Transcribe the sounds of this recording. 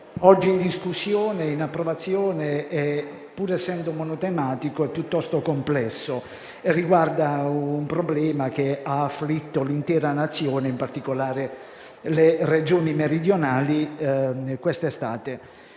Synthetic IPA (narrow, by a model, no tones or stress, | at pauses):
ɔd͡ʒːiːnd̪iskusːjoːneinapːɾovat̪sːjɔːneɛ | pːuːɾɛsːɛnd̪omonot̪emaːt̪ikoɛpːjut̪ːɔst̪okomplɛsːo | erːiɡward̪aumpɾoblɛːmak̟eaːfːlit̪ːolint̪ɛːɾanat̪sːjoːneimpart̪ikolaːɾe | lered͡ʒoːnimeɾid̪jonaːli | kwɛst̪est̪aːt̪e